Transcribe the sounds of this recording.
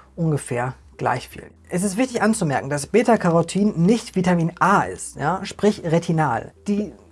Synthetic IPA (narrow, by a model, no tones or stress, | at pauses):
ʔʊnɡəfɛːɐ | ɡ̥la̰ɪçfḭːl | ʔɛs̬ɪstv̥ɪçtɪçʔant͡sumɛɐkŋ̩dasb̥eːtɐkʰaʁotʰiːnːɪçtv̥iːtamiːnʔaːʔɪ̰stjaːʃpʁ̥ɪçʁetʰinaːld̥iː